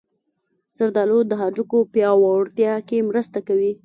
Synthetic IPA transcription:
z̥aɾd̪ɑlod̪əɦɑd͡ʒukopjɑwaɽt̪jɑkemɾəst̪akawi

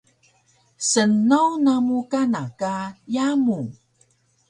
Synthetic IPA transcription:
sənːawnamukanakajamu

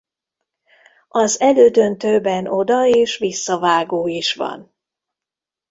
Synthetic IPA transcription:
ɒzɛløːd̪ønt̪øːbɛno̞d̪ɒeːʃʋisːɒvaːɡoːiʃʋɒ̰n

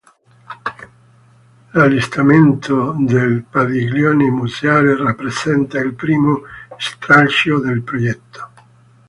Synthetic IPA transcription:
lalːist̪ament̪ʰod̪elpaðiɡljɔːnemuzeaːlerapːɾezɛnt̪ailpɾiːmost̪ɾalt͡ʃjod̪elpɾojɛt̪ʰːo̥

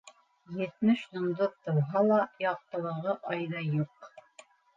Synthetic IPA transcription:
jɘ̆t̪mɘʃj̪ŏmd̪oðt̪ɤ̆wɦɑlˠɑjɑq̚t̪ɤ̆lˠɤ̆ʁɤʔɑjðɑjuq

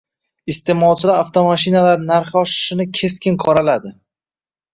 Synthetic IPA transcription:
ɪst̪e̞mɒlˠt͡ʃʰɪlaɾaft̪ʰomaʃinalaɾnaɾχɒʃɪ̥ʃɪnɪkʲʰe̞skʲɪnqʰɒɾalad̪ɪ

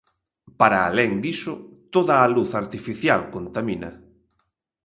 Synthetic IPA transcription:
paɾaːlɛŋd̪isʊt̪oðɐːluθaɾt̪ifiθjalkont̪aminɐ̰

